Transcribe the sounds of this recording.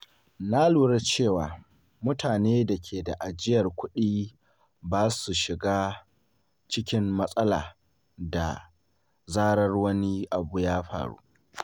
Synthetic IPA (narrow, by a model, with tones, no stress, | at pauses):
na˦luː˨ɽe˦t͡ʃeː˦˨waː˨ | mʊ˦tʰaː˨neː˦da˨kʲʰeː˨da˨ʔa˨d͡ʒɪ˦jɐ˨rkʷʊ˦ɗiː˦ | baː˦su˨ʃɪ˨ɡaː˦ | t͡ʃɪ˦kʲɪ˦mːɐ˦sʼɐ˦la̰ː˨ | da̰˨ | zaː˦ɽɐ˦rwɐ˦ni˦ʔa˨bu˨jaː˦ɸa̰ː˨ɽṵ˦